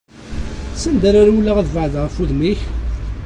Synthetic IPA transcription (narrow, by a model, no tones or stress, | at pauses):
sənd̪æɾaɾwulːaʁðvəʕðʁəfuðmiç